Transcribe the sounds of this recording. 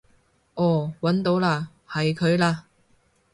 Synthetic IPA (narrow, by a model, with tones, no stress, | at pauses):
ʔɔː˨˧˩wɐ˨˥nt̪o˨˧˥wlaː˧ | hɐ˨jkʰɵ˨˧ɥlaː˧